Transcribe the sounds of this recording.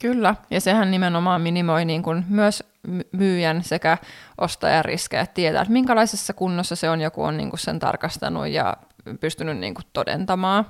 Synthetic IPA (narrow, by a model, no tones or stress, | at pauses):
kylːæjɑsehænnimenomɑːmminimojniːŋkunmyøs | mmyːjænsekæʔost̪ɑ̰jɑrḭskæ̰æt̪t̪iet̪æ̰ːt̪miŋkælɑisesːɑkunːosːɑseonjokṵo̰nnḭːŋkussent̪ɑ̰rkɑst̪ɑ̰nṵjjɑ̰ | pyst̪ynynnḭːŋkut̪ːodḛnt̪ɑmɑː